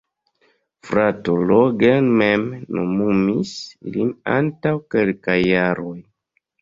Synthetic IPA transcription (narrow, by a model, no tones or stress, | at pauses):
fɾatoloɡenmemnomumislina̰ntawke̞lkajːaɾo̞j